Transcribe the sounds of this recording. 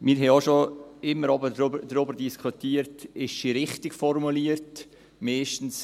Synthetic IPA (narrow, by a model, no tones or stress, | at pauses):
mɪːɾɦɛoʃoɪmːəɾɑbədɾbdɾʊbəɾdiskʰutiːəɾtɪʃʃiɾɪχtɪkfɔɾmuliəɾt | mɛːʃtn̩s